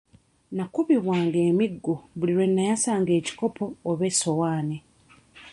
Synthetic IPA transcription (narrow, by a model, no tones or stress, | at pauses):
nakuβiβwaːŋɡeːmiɡːuβuliɾwe̞nːajasaːŋɡe̞ːci̥ko̞pʰo̞ːβe̞so̞waːni